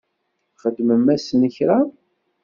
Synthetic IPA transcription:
χəd̪ːməmːæsnəçɾa

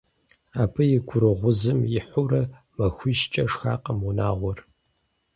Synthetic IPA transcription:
aːpʰɨjɪɡʷʊɾɨʁʷʊzɨmjɪħʷʊɾɐ | mɐxʷiʃt͡ʃʼɐʂxaːqʼəmuna̰ːʁʷɔr

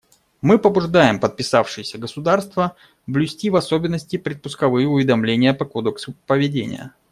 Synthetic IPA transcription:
mɨpəbʊʐd̪ajɪmpət̪̚pʲɪsafʂɨjɪsʲəɡəsʊd̪arst̪və | blʲʊsʲtʲivɐso̞bʲɪnːəsʲtʲɪpɾʲɪt̪̚pʊskɐvɨjɪʊvʲɪd̪ɐmlʲenʲɪjəpɐkod̪əksʊpəvʲɪdʲenʲɪ̰jə̰

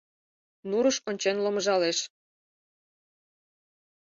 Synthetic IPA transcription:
nuɾəʃonʲt͡ɕenlomɤʒɑleʃ

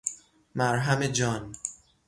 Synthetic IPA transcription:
mæɾɦæmed͡ʒɒːn

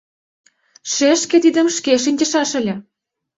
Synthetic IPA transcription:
ʃeʃkĕt̪id̪ə̆mʃkeʃ̬inʲt͡ɕə̆ʃɑʃə̆lʲĕ

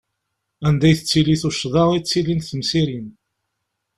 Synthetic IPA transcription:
ænd̪æjθət͡sːiliθuʃðˤɑʁit͡sːilinθəmsiɾin

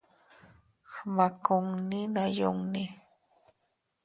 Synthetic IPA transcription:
xmakoŋninajo̰ŋni

